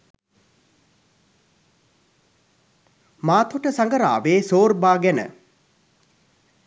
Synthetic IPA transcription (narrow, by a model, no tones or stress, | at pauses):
maːt̪oʈəsaŋɡəɾa̰ːʋeːsoːrbaːɡɛnə̰